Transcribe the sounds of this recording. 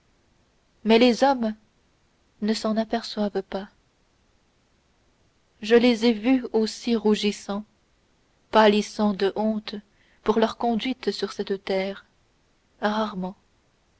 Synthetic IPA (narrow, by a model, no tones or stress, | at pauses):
mɛlezɔm | nəsɑ̃napɛʁswavpa | ʒəlezevyosiʁuʒisɑ̃ | palisɑ̃d̪əʔɔ̃t̪ | puʁlœʁkɔ̃d̪ɥit̪syʁsɛt̪t̪ɛːʁ | ʁaʁmɑ̃